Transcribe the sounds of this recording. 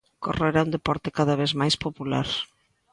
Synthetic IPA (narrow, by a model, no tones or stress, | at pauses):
koroeɾaund̪epɔɾt̪ɪ̥kaðaβ̞ezmajspopula̰ɾ